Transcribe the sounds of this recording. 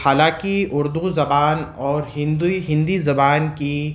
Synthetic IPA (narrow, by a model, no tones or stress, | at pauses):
haːlãːkiʊɾd̪uzɐbaːnɔːɾɦɪ̃nd̪uiɦɪ̃nd̪izɐbaːnki